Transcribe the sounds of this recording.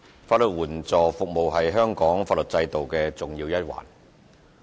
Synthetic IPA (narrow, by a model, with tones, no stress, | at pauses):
faː˧t̚lɵ˨t̚wuː˨˩nt͡sɔː˨fʊ˨k̚mo˨wɦɐ˨jɦœː˥ŋkɔː˨˥ŋfaː˧t̚lɵ˨t̚t͡sɐ˧jt̪o˨wkɛː˧t͡sʊ˨˩ŋjiː˧wjɐ˥t̚wa̰ː˨˩n